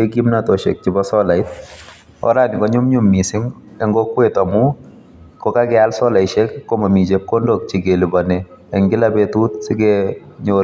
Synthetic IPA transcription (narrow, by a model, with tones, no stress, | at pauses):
e˦ɡi˦mna˨tɔ˨ʃɛ̰˨k̚t͡ʃɪ˦bɔ˦sɔ˦la˨j | ɔ̰˦ɾa˨nɪkɔ˦ɲʊ˦mɲʊ˦mːi˨sɪ˦ŋ | ɛ˦ŋɡɔkwetɔ˨mu | kɔ˦ka˦ɡɛa˦lsɔ˦la˨jʃɛkkːɔ˦ma˨mi˨t͡ʃɛ˦p̚kɔ˦ndɔ˨k̚t͡ʃi˨ɡe˨li˨ba˨nɛ˨ | ɛ˨ŋɡɪ˦labɛtu˦tsɪ˦ɡɛɲo